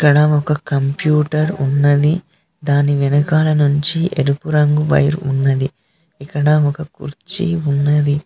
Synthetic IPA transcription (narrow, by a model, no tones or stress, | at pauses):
ikːɐɽɐɔkɐkɐmpjuːʈɐɾunːɐd̪i | d̪aːniʋinɐkaːlɐnuɲt͡ʃiʔeɾupuɾɐŋɡuʋɐ̰jiɾunːɐd̪i | ikːɐɽɐɔkɐkṵɾt͡ʃḭunːɐd̪i